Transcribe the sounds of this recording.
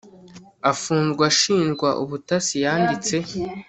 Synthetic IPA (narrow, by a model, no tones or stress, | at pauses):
afuːnzɡwaʃiːnɡwaʔuβutasijaːndit͡se̞